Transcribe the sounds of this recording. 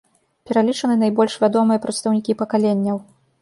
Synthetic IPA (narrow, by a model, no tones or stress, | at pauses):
pʲɛɾalʲit͡ʂɐnɨnajbɔlʲʂvʲad̪ɔmɨjɐpɾɐt̪st̪ɐwnʲikʲipɐkalʲenʲːɐw